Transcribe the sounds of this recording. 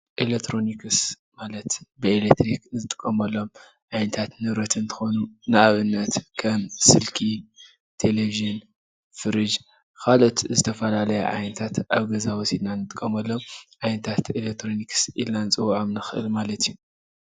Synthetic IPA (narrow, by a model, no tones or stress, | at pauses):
ʔelek̚t̪ʰɾo̞nikɨs | malɐt̪bɨelekt̪ɾikzɨt̪ʼɨ̥kʼːɐmɐlːo̞m | ʕajnɐt̪ʰat̪nɨβɾɐt̪ʰɨnt̪ʰɨ̥xo̞nunɨʔaβɨnːɐt̪kʰɐmsɨlkʰi | t̪ʰe̞leviʒɨn | fɨɾɨd͡ʒ | kʰalo̞t̪zɨt̪ʰɐfɐlalɐjɛ̰ʕa̰jnɐt̪ʰat̪ʔaβɡɐzawɔsid̪nanɨt̪ʼɨkʼːɐmɐlːo̞mʕajnɐt̪ʰat̪elekt̪ʰɾo̞niksilnanɨt͡sʼɨwʕamnɨxɨʔɨ̰lmalɐt̪ʰiju